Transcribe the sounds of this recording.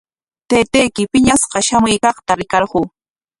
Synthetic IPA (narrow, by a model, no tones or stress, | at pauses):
t̪eːt̪ejkɪpɪɲasɢɑʃamʊjkɑχt̪aɾɪkɑɾɢuː